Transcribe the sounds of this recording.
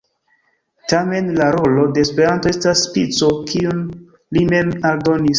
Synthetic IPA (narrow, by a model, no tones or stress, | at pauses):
tame̞nlaɾo̞lo̞de̞ːspe̞ɾanto̞e̞stasːpit͡sokʰiun | lime̞maldo̞nis